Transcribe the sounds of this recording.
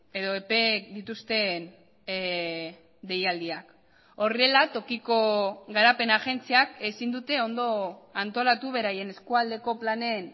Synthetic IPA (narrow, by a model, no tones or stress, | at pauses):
e̞ðo̞epe̞d̪it̪ust̪e̞n | d̪e̞jald̪iak | o̞rielat̪o̞kiko̞ɡaɾape̞naʝe̞nt͡siake̞sind̪ut̪e̞o̞nd̪o̞ant̪o̞lat̪uβ̞e̞ɾaje̞ne̞skuald̪e̞ko̞plane̞n